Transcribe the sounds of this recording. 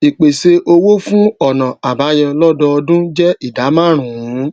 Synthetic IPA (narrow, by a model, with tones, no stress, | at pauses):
i˨k͡pe˨se˧ʔo˧wo˦fũ˦ɔ˦˨nã˨a˨ba˨˦jɛ̃˧lɔ˦dɔ˧ɔ˧dũ˦d͡ʒɛ˦i˦˨da˨˦mã˦˨ɾ̃ũ˨ũ˨˦